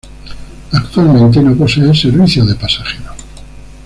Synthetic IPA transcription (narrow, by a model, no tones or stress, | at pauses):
akt̪walmẽnt̪enoposeelseɾβiθjoðepasaxeɾo